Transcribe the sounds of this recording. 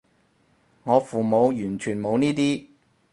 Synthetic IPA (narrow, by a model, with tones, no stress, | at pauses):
ŋɔː˨˧fuː˨˩mo˨˧wjyː˨˩nt͡ʃʰyː˨˩nmo˨˧wniː˥t̪iː˥